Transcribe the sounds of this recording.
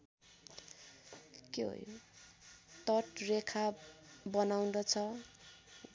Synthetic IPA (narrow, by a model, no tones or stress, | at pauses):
keɦo̰jo̰ | t̪ʌʈrekʰabʌnaw̃d̪ʌt͡sʰʌ